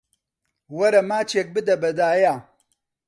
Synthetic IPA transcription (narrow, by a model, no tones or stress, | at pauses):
wɐɾamaːt͡ʃek̚bidɐbɐdaːja